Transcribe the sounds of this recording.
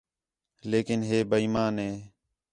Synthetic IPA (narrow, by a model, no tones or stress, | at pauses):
leːkɪnɦeːbəiːmaːnɦeː